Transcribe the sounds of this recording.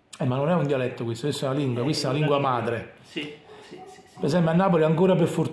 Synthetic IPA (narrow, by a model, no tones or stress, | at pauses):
ɛmːanːonɛund̪jialɛt̪ːokwist̪okwist̪ɛunaliŋɡwakwist̪ːaɛunaliŋɡwamaːd̪ɾe | peɾsɛmbeanːaːpoliaŋkoːɾaperfort̪